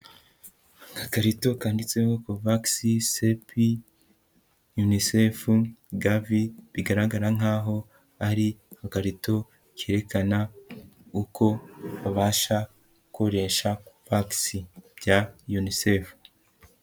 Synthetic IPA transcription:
kakaɾito̞kaːndit͡se̞hokuvaksisepi | junisefuɡaviβiɡaɾaɡaɾaŋ̥aːɦo̞ | aɾikakaɾito̞ | keɾe̞kana | ukʰo̞βaβaːʃa | ɡuko̞ɾe̞ʃauvaksib̥jajunisef

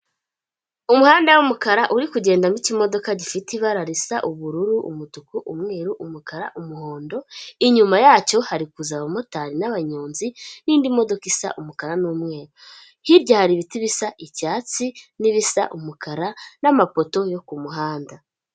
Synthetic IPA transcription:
umuhaːndawumukaɾaʔuɾikuɟe̞ːndamicimo̞do̞kaɟifitiβaɾaɾisaʔuβuɾuɾuʔṵmutukuʔumŋe̞ːɾuʔumukaɾa̰ʔumuho̞ːndo̞iɲumajaːt͡ʃo̞haɾikuzaβamo̞taːɾinaβaɲuːnziniːndimo̞do̞kisa̰ʔumukaɾanuːmŋe̞ːɾu | hiɾɟahaɾiβitiβisaʔicaːt͡siniβisa̰ʔumukʰaɾanamapo̞to̞jo̞kumuɦaːnda

